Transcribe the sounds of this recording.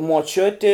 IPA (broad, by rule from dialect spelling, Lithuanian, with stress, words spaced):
muɔˈt͡ʃʲʊtʲɪ